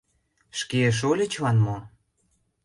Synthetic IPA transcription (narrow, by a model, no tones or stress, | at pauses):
ʃkeəʃ̬olʲə̆t͡ɕβɑnmo